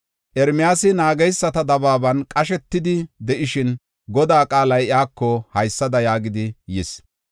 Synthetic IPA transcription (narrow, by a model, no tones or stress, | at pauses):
ʔɛɾmɪjaːsɪnaːɡɛjsːɐt̪ɐd̪ɐbaːbɐnkʼɐʃ̬ɛt̪ːɪd̪ɪd̪ɛʔɪʃɪn | ɡɔd̪aːkʼaːlɐjɪaːkːɔhɐjsːɐd̪ɐjaːɡɪd̪ɪjɪs